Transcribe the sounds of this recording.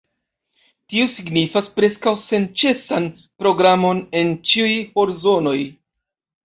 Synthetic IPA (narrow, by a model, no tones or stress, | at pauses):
tiosiɡnifaspɾe̞skawse̞nt͡ʃe̞san | pɾo̞ɡɾamo̞ne̞nt͡ʃiujho̞ɾzo̞no̞j